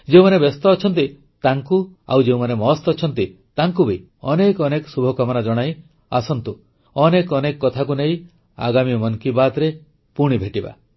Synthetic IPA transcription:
d͡ʒeũmanebest̪ɔːt͡ʃʰɔnt̪i | t̪aŋkua̰wd͡ʒeũmanemɔst̪ɔːt͡ʃʰɔnt̪i | t̪aŋkubʱi | ɔnekɔneksubʱɔkɔmɔnad͡ʒɔɽ̃aj | asɔnt̪u | ɔnekɔnekɔkːɔt̪ʰakunej | a̰ɡamimɔnkibat̪ɾe | puɽ̃ibʱeʈiba̰

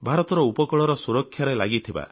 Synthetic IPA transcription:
bʱaɾɔt̪ɔɾɔupɔkɔɭɔɾɔsuɾɔkʰːjaɾelaɡit̪ʰiba̰

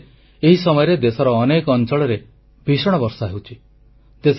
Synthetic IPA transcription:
eɦisɔmɔjɔɾed̪esɔɾɔːnekːnt͡ʃɔɭɔɾe | bʱisɔɽ̃ɔbɔɾsɔɦewt͡ʃʰi | d̪es

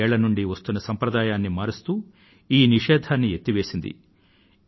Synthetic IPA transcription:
ɛːɭɐnuɳɖiʋɐst̪unːɐsɐmpɾɐd̪aːjaːnːimaːɾist̪uː | iːniʂɛːd̪ʱaːnːiet̪ːiʋe̞ːsind̪ḭ

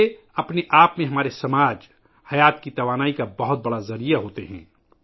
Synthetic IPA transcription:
e | ɐpneʔaːpmẽɦɐmaːɾesɐmaːd͡ʒ | hɐjaːt̪̚kit̪ɐʋaːnaːikabɐɦʊt̪̚bɐɽazɐɾijaɦoːt̪eɦɛ̰̃ː

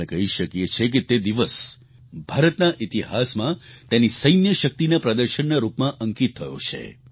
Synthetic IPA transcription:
ekəɦiʃəkjet͡ʃʰek̬et̪ed̪iʋəs | bʱaɾət̪naʔit̪iɦasmãt̪enisəjnjəʃək̚t̪inapɾəd̪əɾʃənnaɾupmãʔəŋkit̪ʰːəjo̰t͡ʃʰḛ

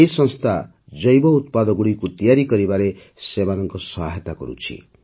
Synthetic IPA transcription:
eisʌnst̪ʰa | d͡zʌjbʌut̪̚pad̪ʌɡuɽikot̪ijaɾikʌɾibaɾe | sebanʌŋkosʌɦa̰ɦet̪ako̰ɾṵt͡sʰḭ

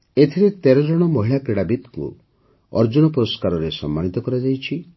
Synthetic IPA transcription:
et̪ʰiɾet̪eɾɔd͡ʒɔɽ̃ɔmɔɦiɭakɾeɽabit̪kṵ | ɔ̰ɾd͡ʒunɔpɔɾɔskaɾɔɾesɔ̰mːanit̪ɔkɔɾad͡ʒajt͡ʃʰi

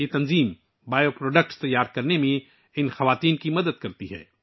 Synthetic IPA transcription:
et̪ɐnziːm | baːjopɾoːɖək̚ʈst̪ɐjːaːɾkɐɾnemẽ | ɪnxɐʋaːt̪iːnkimɐd̪əd̪̚kɐɾt̪iɦɛ̰ː

